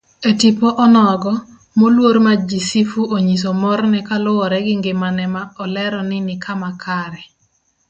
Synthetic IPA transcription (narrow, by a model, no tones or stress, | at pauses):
etipɔʔɔnɔɡɔ | molwoɾmad͡ʒisifuʔoɲis̬omɔrnɛkalʊwɔɾɛɡɪŋɡɪmanɛmaɔlɛɾɔnɪnɪkʰamakʰaɾɛ